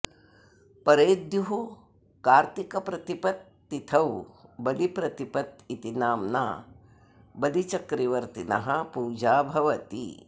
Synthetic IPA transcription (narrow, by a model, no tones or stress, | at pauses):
pɐɾeːd̪juɦu | kaːɾt̪ikɐpɾɐt̪ipɐt̪̚ːit̪ʰɐwbɐlipɾɐt̪ipɐt̪it̪inaːmna̰ː | bɐlit͡ʃɐkɾiʋɐɾt̪inɐ̰ɦɐpuːd͡ʒaːbʱɐʋɐt̪ḭ